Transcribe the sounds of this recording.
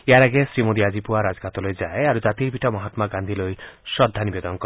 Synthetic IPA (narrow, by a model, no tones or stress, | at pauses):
eaɾaɡesɾimod̪iad͡ʒipuaɾad͡ʒɔkʰat̪ɔlojd͡ʒaeaɾud͡ʒat̪iɾbʱiʈamɔɦat̪maɡand̪ʱilojʃɔd̪ʱːanibed̪ɔnkɔ